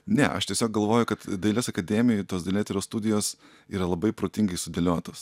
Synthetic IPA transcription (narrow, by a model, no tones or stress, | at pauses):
nʲɛ̰ʔɐ̰ʃt̪ʲiɛsʲoːk̚ɡɐlˠʋoːjʊkɐt̪d̪ɐɪlʲeːsɐkɐd̪ʲɛːmʲɪjt̪oːsd̪ɐɪlʲeːt̪ʲɪlʲoːst̪ud̪ʲɪjoːs | iːɾɐlˠɐbɐɪpɾoːt̪ʲɪŋɡɐɪsʊd̪ʲɛlʲoːt̪oːs